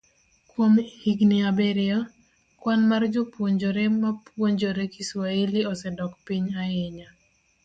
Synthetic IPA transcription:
kwomhiɡniabɛɾɪɔ | kwanmard͡ʒʊpwoɲd͡ʒoɾɛmapwoɲd͡ʒoɾɛkiswailiɔsɛdɔkpiɲajeɲa

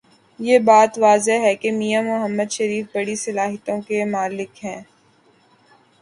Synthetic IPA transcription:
jebaːt̪ʋaːzeɦɛkemijamʊɦəmːəd̪ʃɐɾiːfbɐɽisɐlaːɦət̪õkemʊaːlɪkɦɛ̃ː

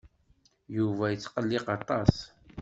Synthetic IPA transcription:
juvæjət͡sːqəlːiqɑt̪ˤɑs

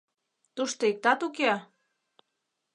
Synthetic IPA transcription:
t̪uʃt̪oik̚t̪ɑt̪ukeɑ

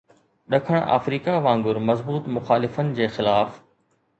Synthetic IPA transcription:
ɗɐkʰəɽ̃a̰ːfɾiːkaʋãːŋɡʊɾmɐzbuːt̪mʊxaːlɪfənɪ̆d͡ʑeːxɪlaːf

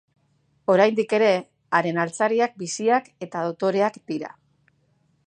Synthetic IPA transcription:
o̞ɾajnd̪ike̞ɾe̞ | aɾe̞nalt͡saɾiak̚bisiake̞t̪aðo̞t̪o̞ɾe̞akd̪̥iɾa̰

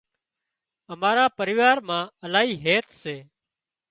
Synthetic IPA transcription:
əmaːɾaːpəɾɪːʋaːɾmãːəlaːɦiːɦeːt̪ʰseː

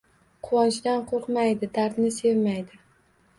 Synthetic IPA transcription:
qʰʊwɒnt͡ʃd̪anqʰoɾqmajd̪ɪd̪aɾd̪nɪse̞vmajd̪ɪ

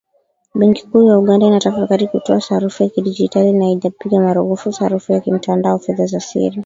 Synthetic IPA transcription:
ɓɛŋki̥kuːjauɠandainatafakaɾikutɔasaɾufujakiɗid͡ʒitalinaiʄapiɡamaɾuɣufusaɾufujakim̩tandaɔfɛðazasḭɾi

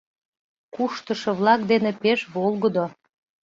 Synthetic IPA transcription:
kuʃt̪əʃoβlˠɑk̚d̪enepeʃβolˠɣəd̪o

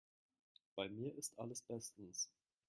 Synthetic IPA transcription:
b̥aɪmiːɐʔɪstʔaləsb̥ɛstn̩s

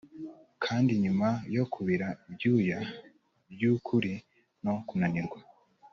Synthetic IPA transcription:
kʰaːndiɲumajo̞kʰuβiɾaibjuːja | bjukʰuɾi | no̞kunaniɾɡwa

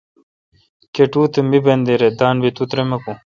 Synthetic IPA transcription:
keʈuːt̪emibɐnd̪eɾed̪aːnbit̪ut̪ɾemeku

